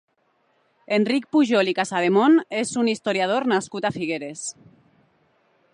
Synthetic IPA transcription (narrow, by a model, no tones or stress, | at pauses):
endrik̚puʒolikasaðemonezunist̪oɾjað̞oɾnaskut̪afiɣ̞eɾes